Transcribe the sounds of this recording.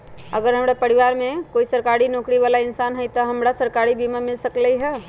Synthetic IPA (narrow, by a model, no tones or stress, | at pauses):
əɡəɾɦəmɾapəɾiʋaːɾmẽkoːisəɾkaːɾinoːkɾiʋaːlaɪnsaːnɦɛjt̪ɔɦəmɾasəɾkaɾibimamɪlsəkləiɦɛː